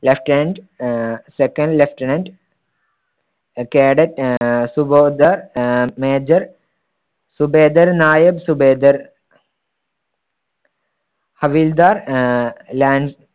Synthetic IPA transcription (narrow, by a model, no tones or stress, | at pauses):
lefʈenɐɳɖ | sekɐ̃ɳɖlefʈɐnɐɳɖ | keːɽɐʈsuboːd̪ɐɾmeːd͡ʒɐɾ | subeːd̪ɐɾnaːjɐbsubeːd̪ɐɾ | hɐʋild̪aːɾ | laːɳɖ